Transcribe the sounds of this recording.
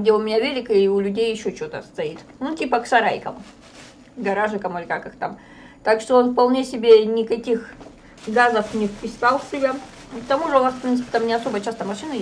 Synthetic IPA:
ɡdʲeʊmʲɪnʲavʲelʲɪkɨʊlʲʉdʲejɪɕːo̞t͡ɕot̪əst̪ɐit̪nutʲipəksɐɾajkə̰m | ɡɐɾaʐɨkəmɨlʲɪkakɨxt̪am | t̪akʂt̪oo̞nfpɐlˠnʲesʲɪbʲenʲɪkɐkʲix | ɡazəfnʲɪfpʲɪsalˠsʲɪbʲa | kt̪ɐmuʐɨonasfpɾʲint̪ɨ̥pʲɪt̪amnʲɪɐso̞bəjt͡ɕast̪əmɐʂɨnɨ

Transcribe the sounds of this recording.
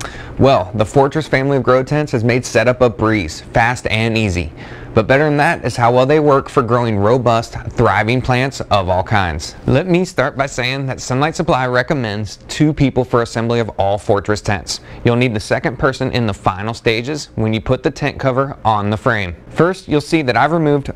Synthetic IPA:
wʔɛlˠðəfɔɹt͡ʃɹ̥ɨsfæ̃mliʌvɡɹoʊd̚tʰɛ̃ntshɨzmeɪd̥sɛɾʌpʌbɹiz̥fæstɨ̃nizḭ | b̥ʌt̚b̥ɛɾə˞ɨ̃n̩ðɨɾʔɨz̥haʊwɛlˠðeɪwɜ˞kfə˞ɡɹoʊɪ̃ŋɹoʊbʌst̪θɹaɪvɪ̃ŋpʰl̥æ̃ntsʌvɔlˠkʰãɪ̃ndz̥lɛt̚mistɑɹt̚b̥aɪseɪɪ̃ŋðɨtsʌ̃nlaɪtsəpʰl̥aɪɹɛkɨmɛ̃ndz̥tʰʉpʰipl̩ˠfə˞ɨsɛ̃mbliʌvɔlˠfɔɹt͡ʃɹ̥ɨstʰɛ̰̃ntsjʉlˠnid̪̚ðɨsɛkɨ̃npʰɜ˞sɨ̃nʔɪ̰̃nðəfãɪ̃nl̩ˠsteɪd͡ʒɨzwə̃njɨpʰʊt̪̚ðɨtʰɛ̃nkʰʌvə˞ə̃nðəfɹẽɪ̃ɱfɜ˞stjulˠsiðɨɾaɪvɹimʉvd̥

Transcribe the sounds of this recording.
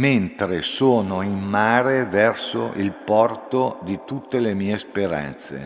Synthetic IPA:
ment̪ɾesoːnoimmaːɾevɛrso̰ʔilpɔrt̪od̪it̪ut̪ːelemiːespeɾa̰nt̪sḛ

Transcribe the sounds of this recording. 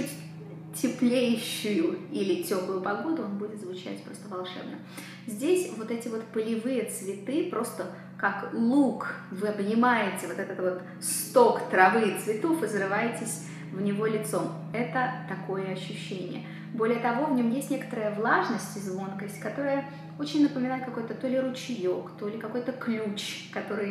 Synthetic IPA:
utʲ | tʲɪplʲejɕːʊjʊilʲɪtʲoplˠʊjʊpɐɡo̞d̪ʊonbudʲɪt̪zvʊt͡ɕæ̰tʲpɾo̞st̪əvɐlˠʂɛ̰bnə | zʲdʲesʲvo̞t̪ɛtʲɪvo̞t̪pəlʲɪvɨjət̪svʲɪt̪ɨpɾʔo̞st̪ə | kaklˠukvɨɐbnʲɪmajɪtʲɪvo̞t̪ɛt̪ət̪vo̞t̪ | st̪o̞kt̪ɾɐvɨt̪svʲɪt̪o̞fɨzrɨvajɪtʲɪsʲ | vnʲɪvo̞lʲɪt̪so̞m | ɛt̪ət̪ɐko̞jəɐɕːʉɕːenʲɪ̰jə̰ | bo̞lʲɪjət̪ɐvo̞vnʲo̞mjesʲtʲnʲe̞kə̥t̪əɾəjəvlˠaʐnəsʲtʲɪzvo̞nkəsʲtʲkɐt̪o̞ɾɨjə | o̞t͡ɕɪnʲnəpəmʲɪnajɪt̪̚kɐko̞jt̪ət̪o̞lʲɪɾʊt͡ɕɪjo̞kt̪o̞lʲɪkɐko̞jt̪əklʲut͡ɕkɐt̪o̞ɾɨj

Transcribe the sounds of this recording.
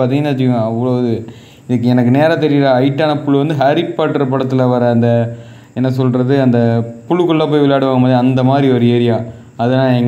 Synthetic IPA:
ɐðɐŋɐnaːt͡ʃːɪkɯŋɡɐɐʋːɐɭoðɯ | ɪðɯkːɛnɐkːɯneːɾɐt̪ɛɾɪjɾɐɐɪʈːaːnɐpʊɭːɯʋɐnd̪ɯɦaɾɪpːaːʈːɐɾpɐɽɐt̪ːɯlɐʋɐɾɐɐnd̪ɐ | ɛnːɐs̬ɔlɾɐðɯɐnd̪ɐpʊɭɯkːɔɭːaːp̬oːjʋɪlaːɽɯʋaːŋɡɐmaːðɾiɐnd̪ɐmaːðɾiɔɾɯeːɾɪjaː | ɐðɐnaːɛŋɡ

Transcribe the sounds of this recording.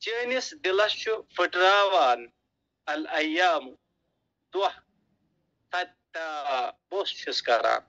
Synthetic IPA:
t͡ʃiːnisd̪ilɐʃufiʈɾaːwaːn | ɐlɐjaːm | d̪uɐh | t̪ʰɐt̪̚ | t̪aːbosʃiskɐɾa̰ːn

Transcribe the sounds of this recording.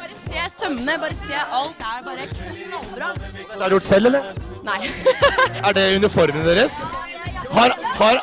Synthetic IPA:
ɑɾəseːsœmənəbɑːɾəseːʔɑlt̪æɾbɑːɾəkʰʉnɑlbɾɑ | ɛt̪ːæɾjʊʈːsɛlːɛlːəɾnæɪ | æɖɛʉnəɾfɔɾmənd̪eːɾəs | hɑɾhɑɾ

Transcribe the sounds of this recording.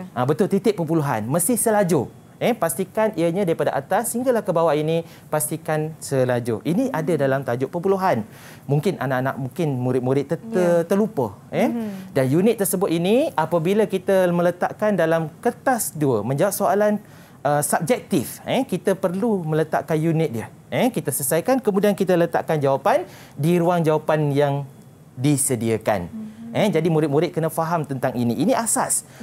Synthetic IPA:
abət̪ʊlt̪it̪ɪʔ̚pːəpuluɦa̰nməst̪ɪhsəlad͡ʒo | ɛpast̪ikaniəɲãdaɾipadaʔa̰t̪asəiŋɡalahkəbawaʔini | past̪ikansəlad͡ʒo̰ʔiniʔadadalamt̪ad͡ʒʊʔpəpuluɦan | mũŋkɪnʔa̰naʔana̰ʔ̚muŋkɪnmuɾɪt̪̚muɾɪt̪̚ːəət̪ərlupə̰ | ɛdanjunɪt̪̚ːərsəbʊt̪iniapabilakit̪əmələt̪a̰ʔkandalamkət̪asduəmə̃ɲd͡ʒawap̚soalan | ʔəsab̚d͡ʒɛk̚t̪ifɛkit̪əpərlumə̃lət̪a̰ʔkanjunɪt̪̚diə | ɛ̃kit̪əsəsajkankəmũdiankit̪ələt̪a̰ʔkand͡ʒawapan | diɾuaŋd͡ʒawapanjaŋ | disədiəka̰nɛd͡ʒadimuɾɪt̪̚muɾɪt̪̚kənəfaɦamt̪ənt̪aŋiniːniʔasas

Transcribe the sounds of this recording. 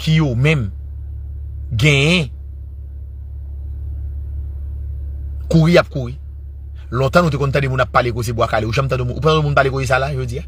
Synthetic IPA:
kʰijomɛ̃m | ɡɛ̃jɛ̃ | kuʁijap̚kuɣi | lɔ̃t̪ãnut̪̬ekɔ̃nt̪ãdemũnapːaleɡozebwakaleuʒãmt̪ãdomũnʔupãt̪ãdomũnpalekozes̬alaʒod͡zija

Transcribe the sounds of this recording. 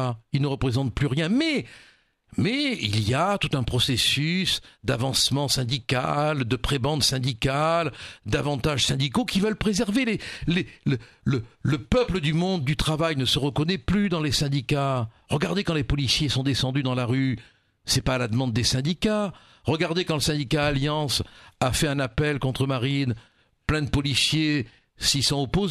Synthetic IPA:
ilnəʁəpχezɑ̃t̪̚plyʁjɛ̃mɛ | mɛḭlijat̪ut̪ɛ̃pχɔsesysd̪avɑ̃smɑ̃sɛ̃d̪ikald̪əpχebɑ̃d̪sɛ̃d̪ikald̪avɑ̃t̪aʒsɛ̃d̪ikokʲivœlpχezɛʁveleleə | lələpœpləd̪ymɔ̃d̪̚ːyt̪χavajnəsəʁəkɔnɛplyd̪ɑ̃lesɛ̃d̪ika | ʁəɡaʁd̪ekɑ̃lepɔlisjesɔ̃d̪esɑ̃d̪yd̪ɑ̃laʁy | sɛpaːlad̪əmɑ̃d̪̚ːesɛ̃d̪ika | ʁəɡaʁd̪ekɑ̃ləsɛ̃d̪ikaːljɑ̃safɛɛ̃napɛlkɔ̃t̪χəmaʁin | plɛ̃d̪əpɔlisje | sisɔ̃ɔpoz

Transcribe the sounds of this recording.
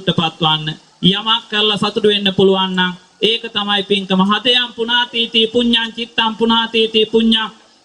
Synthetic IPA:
ʈːəpat̪ːʋanːə | jamakːəɾlasat̪uɖuʋenːəpuluʋanːaŋ | eːkət̪amajpiŋt̪əməɦad̪əjampunaːt̪iːt̪iːpuɲːaŋkit̪ːampunaːt̪iːt̪iːpuɲːaŋ

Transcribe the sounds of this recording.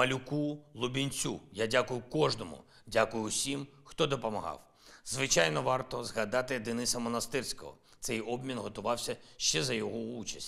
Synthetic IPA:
mɐlʲʊkulˠʊbʲinʲt͡sʲṵjadʲakʊjʊkɔʒnɔmʊ̰ | dʲakʊjʊsʲim | xt̪ɔd̪ɔpɔmɐɦɑ̰w | zʋɪt͡ʃajnɔʋɑrt̪ɔzɦɐd̪ɑt̪ɪd̪ɪnɪsɐmɔnɐst̪ɪrsʲkɔ̰ɦɔ̰ | t̪sɛjɔbmʲinɦɔt̪ʊʋɑwsʲɐʃt͡ʃɛzɐjɔɦɔut͡ʃɐsʲtʲ

